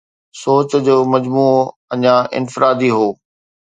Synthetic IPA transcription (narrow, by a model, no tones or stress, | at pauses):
soːt͡ɕd͡ʑoːmɐd͡ʑmuː | ɐɲãʔɪ̰nfɪɾaːd̪iɦoː